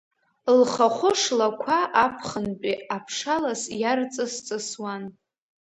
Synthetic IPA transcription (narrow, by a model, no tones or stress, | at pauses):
lχaχʷʊʂlakʷʰaʔapʰχənpʼiapʰʂalasjart͡sʼɨst͡sʼɨswan